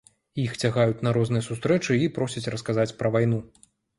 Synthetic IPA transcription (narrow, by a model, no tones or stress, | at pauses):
jixt͡sʲaɣajut͡sʲnɐɾɔznɨjɐsust̪ɾɛt͡ʂɨipɾɔsʲɐt͡sʲrɐskazat͡sʲpɾɐvajnu